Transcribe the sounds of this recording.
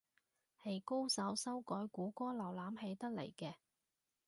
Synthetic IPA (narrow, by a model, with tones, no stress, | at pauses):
he˨˧jko˥wsɐ˨˥wsɐ˥wkɔː˨˥jkuː˨˥kʷɔː˥lɐ˨˩wlaː˨˥mɦe˨˧˥jt̪ɐ˥k̚lḛ˨˩jkɛː˧